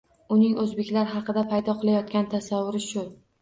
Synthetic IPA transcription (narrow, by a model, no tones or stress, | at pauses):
ʊnɪŋɵzbe̞kʲlaɾɦɑqɨd̪apʰajd̪ɒqʰɨlˠajɒt̪̚kʲant̪ʰasavːʊɾɪʃʊ